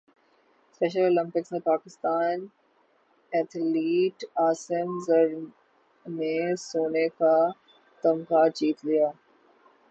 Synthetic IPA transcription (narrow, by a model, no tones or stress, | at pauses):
spɛːʃ̬əloːlɪ̃mpɪksnepaːkɪst̪aːn | ɛt̪ʰliːʈaːsɪmzəɾ | nesoːneka | t̪ɐmkat͡ʃiːt̪lijaː